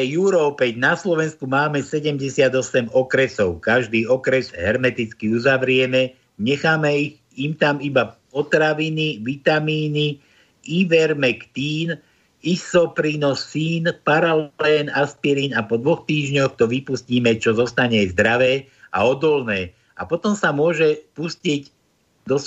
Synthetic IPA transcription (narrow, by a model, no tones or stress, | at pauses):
ɛjuɾɔːpɛɟnaslɔʋɛnskumaːmɛsɛɟɛmɟɛsɪad̪ɔsɛmɔkɾɛsɔʊkaʒd̪iːɔkɾɛzɦɛɾmɛt̪it͡skiuzaʋɾɪɛmɛ | ɲɛxaːmɛiɣ | imt̪amibapɔt̪ɾaʋiniʋit̪amiːni | iʋɛɾmɛkt̪iːn | isɔpɾiːnɔsːiːnpaɾalɛːnaspiɾiːnapɔd̪ʋɔxt̪iːʒɲɔxt̪ɔʋipusciːmɛt͡ʃɔzɔst̪aɲɛzd̪ɾaʋɛː | a̰ɔd̪ɔlnɛː | a̰pɔt̪ɔmsamʊɔʒɛpusciɟ | d̪ɔs